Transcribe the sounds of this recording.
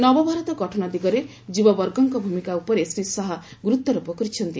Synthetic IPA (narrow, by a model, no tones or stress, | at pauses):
nɔbɔbʱaɾɔt̪ɔɡɔʈʰɔnɔd̪iɡɔɾe | d͡ʒubɔbɔɾɡɔŋkɔbʱumikaupɔɾesɾisɔɦaɡɾut̪ːɔɾupɔkɔɾit͡ʃʰɔnt̪i